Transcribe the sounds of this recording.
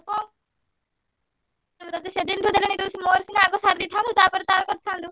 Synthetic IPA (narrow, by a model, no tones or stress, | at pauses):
kɔŋ | t̪at̪esed̪inɾʰod̪elenid̪ewsimoːɾsinaɡɔsaɾd̪it̪ʰand̪ut̪aːpɔɾt̪aɾkɔɾ̚t̪ʰand̪u